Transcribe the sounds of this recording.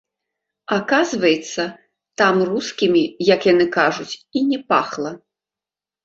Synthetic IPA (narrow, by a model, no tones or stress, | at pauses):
akazvɐjɛt̪sːɐ | t̪amruskʲimʲijɐkjanɨkaʐut͡sʲinʲɛpaxlˠɐ